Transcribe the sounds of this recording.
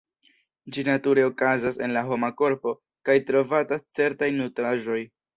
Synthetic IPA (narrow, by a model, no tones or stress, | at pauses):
d͡ʒinatuɾe̞o̞kazase̞nlaɦo̞mako̞ɾpo̞ | kajtɾo̞vatat͡se̞ɾtajnutɾaʒo̞j